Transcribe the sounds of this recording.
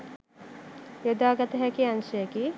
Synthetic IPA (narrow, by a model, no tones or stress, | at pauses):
jod̪aːɡɐt̪ɐɦɛkianʃɐjɐki